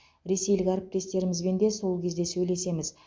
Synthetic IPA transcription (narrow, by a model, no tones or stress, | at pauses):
ɾe̞se̞jlɪkʲæɾɪp̚t̪e̞st̪e̞ɾɪmɪzbe̞nd̪e̞so̞lˠkʲʰe̞zd̪e̞sɵjle̞se̞mɪz